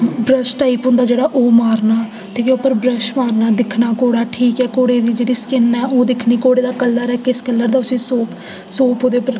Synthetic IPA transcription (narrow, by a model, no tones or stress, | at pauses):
bɾəʃʈaːɪpɦʊ̃nd̪aːd͡ʒeːɽaːʔoːmaːɾnaː | ʈʰiːkɛːʊpːəɾbɾəʃmaːɾnaːd̪ɪkʰnaːkoːɽaːʈʰiːkɛːkoːɽeːd̪iːd͡ʒeːɽiːskɪnɛːoːd̪ɪkʰnĩːkoːɽeːd̪aːkəlːaːɾɛːkɪɪskəlːəɾd̪aːʊsĩːsoːpʰ | soːpʰɦoːd̪eːpəɾ